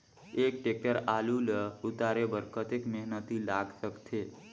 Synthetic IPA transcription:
ek̚ʈek̚əɾaluləʊt̪aɾebəɾkʰət̪ekmeɦnət̪ilaɡsəkt̪ʰe

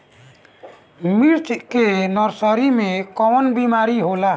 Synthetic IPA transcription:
miɾt͡ʃɛʔ̪kenɔɾsɔɾimẽkɔwnbimaɾiɦola

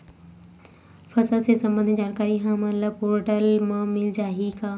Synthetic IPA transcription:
fɐsəlsesɐ̃mbənd̪id͡ʑaːnkaːɾiɦãmɐnləboːɾʈəlmãmɪld͡ʑaːɦikaː

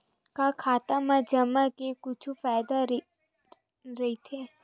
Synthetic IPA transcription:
kakʰaːt̪amad͡ʒɐmːakekʊt͡ʃʰufaːjd̪a | ɾɐɦit̪ʰeː

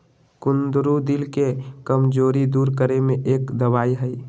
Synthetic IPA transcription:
kʊnd̪ɾud̪ɪlkekəmd͡ʒoːɾid̪uːɾkəɾemẽʔeːkd̪əwaːiɦɛi

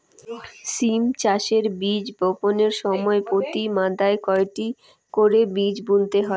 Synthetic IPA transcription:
simt͡ɕaʃeɾbid͡ʑboponeɾʃɔmɔepot̪imãd̪aekɔek̚ʈi | koɾebid͡ʑbunt̪eɦɔe

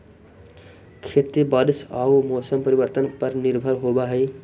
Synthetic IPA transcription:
kʰet̪ɾibəd̪saumosəmpəɾibəɾt̪ənpəɾniɾbʱəɾɦobaɦəj

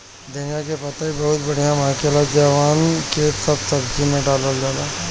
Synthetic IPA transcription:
d̪enjakepɐt̪aibɐɦʊt̪bɐɽ̤ijamaːkelad͡ʒaːʋaːnkesɐbsɐbkimẽɖaːləld͡ʒaːlaː

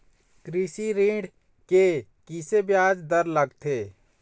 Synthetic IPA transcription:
kɾiːsiɾĩːɖ | kekisebjaːd͡ʒd̪ɐɾlɐɡt̪ʰeː

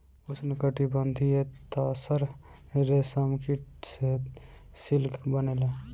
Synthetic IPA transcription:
ʊsnɪkəʈibənd̪ʱiet̪asəɾ | ɾesəmkiʈsesɪlkbənele

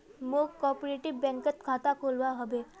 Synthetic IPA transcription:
mokːɔːpɾeʈibɛ̃ŋkət̪kʰaːt̪akʰoːlʋaɦəbe

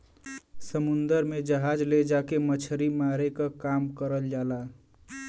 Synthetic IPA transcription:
səmund̪əɾmed͡ʒəɦad͡ʒled͡ʒakemət͡ʃʰɾimaɾekakamkəɾəld͡ʒala

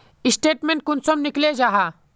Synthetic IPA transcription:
isʈeːʈmẽɳʈ̚kunsɔmnikled͡ʒaːɦa

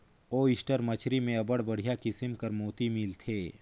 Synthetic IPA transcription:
oːɪsʈəɾmɐt͡ʃʰɾimẽɐbəɽbɐɽ̤ijakɪsɪmkɐɾmoːt̪imɪlt̪ʰeː

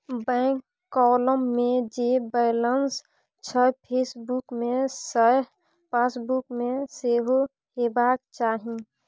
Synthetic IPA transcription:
bɛ̃ːŋkː | ɔləmːẽd͡ʒebɛɪləns | t͡ʃʰəpʰeːsbukmesə | pãsbukmẽseɦo | hebaːk̚t͡ʃaːɦĩ

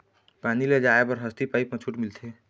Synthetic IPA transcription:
paniled͡ʒaebəɾɦəst̪ipaipət͡ʃʰuʈmilt̪ʰe

